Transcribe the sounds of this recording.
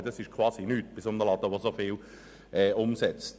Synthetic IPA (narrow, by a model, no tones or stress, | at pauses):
dɑsɪʃkʰvɑːsinyːt̚b̥ɪsʊndəlɑd̥̪əʋosofɪːl | ʔɛːʊmsɛt͡st